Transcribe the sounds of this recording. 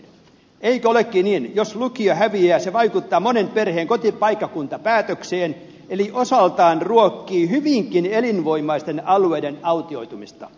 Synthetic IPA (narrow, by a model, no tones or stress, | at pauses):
eikæolekːiniːnjoslukiohæʋiæːseʋɑikut̪ːɑːmonemperheːŋkot̪ipɑikːɑkunt̪ɑpæːt̪økseːn | eliʔosɑlt̪ɑːnruokːiːhyʋiŋkinelinʋoimˑɑist̪enɑlueidenɑut̪ioit̪umist̪ɑ